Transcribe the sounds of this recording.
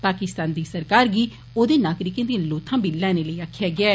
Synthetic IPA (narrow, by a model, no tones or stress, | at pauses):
paːkɪst̪ãːnd̪iːsəɾkaːɾɡiː | oːd̪eːnaːkɾɪkẽːd̪ĩloːt̪ʰãːbɪlːɛ̃ːneːləiːaːkʰːɪjaːɡɪɛː